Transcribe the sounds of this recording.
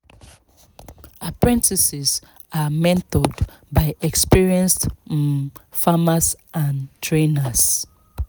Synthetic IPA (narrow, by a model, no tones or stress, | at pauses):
apɹɛ̃ntʰisiz | amɛ̃ntɔd | baɪɛkspiɹiɛ̃nst | famasʔãntʰɹenas